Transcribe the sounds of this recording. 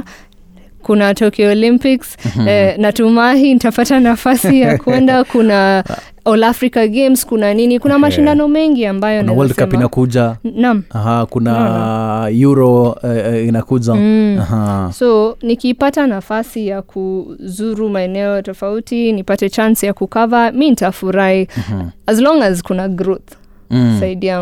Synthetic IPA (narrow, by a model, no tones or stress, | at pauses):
kunatɔkɛɔlimpiksnatumaɦinitapatanafasijakuɛndakuna | ɔlafɾikaɡemskunaninikunamaʃindanɔmɛŋɡiambajɔnawaldkampinakuʄanamaɦakuna | juɾɔ | inakud͡ʒahasonikipatanafasijakʰuzuɾumaɛnɛɔtɔfautinipatɛt͡ʃansjakukavamintafuɾaiazlɔ̃ŋazkunaɡɾɔθ | saidia